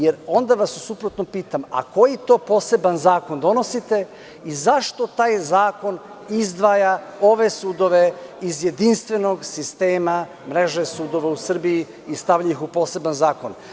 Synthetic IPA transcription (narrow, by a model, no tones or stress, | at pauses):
jeɾo̞nd̪aʋasusupɾot̪nopiːt̪ama̰ko̞jit̪o̞ːpo̞ːse̞banzaːko̞nd̪o̞no̞sit̪e̞ | izaʃt̪o̞t̪aːjzaːko̞n | izd̪ʋaːjao̞ʋe̞suːd̪o̞ʋe̞izje̞d̪inst̪ʋe̞no̞ɡsist̪e̞ːma | mɾe̞ʒesuːd̪o̞ʋausr̩biiː | st̪aʋʎajixupo̞ːse̞banzaːko̞n